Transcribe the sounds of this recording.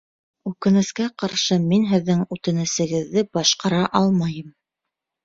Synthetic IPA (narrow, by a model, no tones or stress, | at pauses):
ʉkɘ̆nɘ̆skæqɑɾʃɤminɦɘ̆ðːɘŋʉt̪ɘ̆nɘ̆sɘ̆ɡɘ̆ðːɘbɑʃqɑɾɑʔɑlˠmɑjɤm